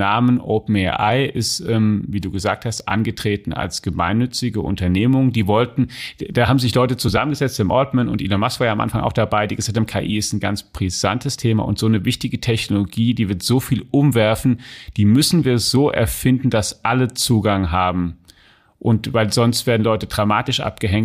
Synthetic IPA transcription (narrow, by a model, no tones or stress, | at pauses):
aːmənʔopm̩ɛʔa̰ɪʔɪstʔɛːmviːduːɡəza̰ːk̚thastʔa̰nɡətʁ̥eːtn̩ʔa̰lsɡ̥əma̰ɪnːʏt͡sɪɡəʔʊ̰ntɐneːmʊŋdiːvɔltn̩d̥aːhaːbm̩zɪçlɔʏtət͡suzamənɡəzɛt͡st̚b̥aɪmʔɔɐtmənʊntʔḭːlomasv̥aːjamʔa̰nfaŋʔa̰ʊxd̥abaɪdiːɡəz̥aːk̚tʰhamnkʰa̰ʔiːɪstn̩ɡant͡sb̥ʁ̥iz̥a̰ntʰəstʰeːma̰ʔʊ̰ntz̥oːnəvɪçtɪɡətʰɛçnoloɡiːdiːvɪɐtz̥oːfiːlʔʊmvɛɐfn̩d̥iːmʏsn̩viːɐz̥oːʔɛ̰ɐfɪndn̩d̥asʔalət͡suːɡaŋɦaːbm̩ | ʔʊntvaɪlzɔnstv̥eːɐdn̩lɔʏtədʁama̰ːtɪʃʔa̰p̚ɡ̥əɦɛŋt